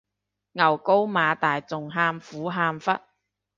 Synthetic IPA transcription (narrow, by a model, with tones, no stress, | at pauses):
ŋɐ˨˩wko˥wmaː˨˧t̪aː˨jt͡sʊ˨ŋɦaː˧mfuː˨˥ɦaː˧mfɐ˥t̚